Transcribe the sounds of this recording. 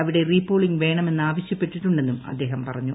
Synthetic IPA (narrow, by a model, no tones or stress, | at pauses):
ɐʋiɽe̞riːpːoːɭiŋɡʋe̞ːɳɐme̞nːɨaːʋɐɕjɐpːe̞ʈːiʈːuɳɖe̞nːumɐ̰d̪ːe̞ːɦɐmpɐrɐɲːu